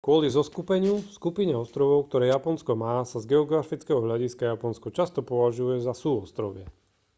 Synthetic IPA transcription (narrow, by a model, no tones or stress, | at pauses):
kʊɔlizɔskupɛɲɪufskupiɲɛɔst̪ɾɔʋɔʊkt̪ɔɾɛːjapɔnskɔmaːsazɡɛɔɡɾafit͡skɛɦɔɦʎaɟiskajapɔnskɔt͡ʃast̪ɔpɔʋaʒujɛzasuːɔst̪ɾɔʋɪɛ